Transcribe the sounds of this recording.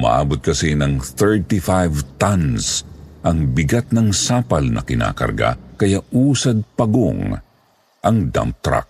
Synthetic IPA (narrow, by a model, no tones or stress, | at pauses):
ma̰ʔa̰ːbot̪̚kɐsinɐŋθɛɹt̪ifajvt̪ɐnsʔɐŋbɪɡat̪̚nɐŋsaːpɐlnʔɐ̰kɪna̰ːkɐ̰ɾɡa̰kɐjaʔuːsɐd̪̚pɐɡo̰ŋ | ʔɐŋd̪a̰mt̪ɾa̰k̚